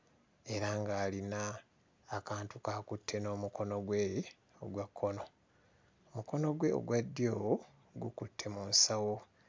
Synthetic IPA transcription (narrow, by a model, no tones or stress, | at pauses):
e̞ɾaŋɡaːlinaː | kaːntukaːkutʰːe̞no̞ːmuko̞no̞ɡwe | o̰ɡwakʰːo̞no̞ | omuko̞no̞ɡwe̞o̰ɡwadːjow | ɡukutʰːe̞muːnsawo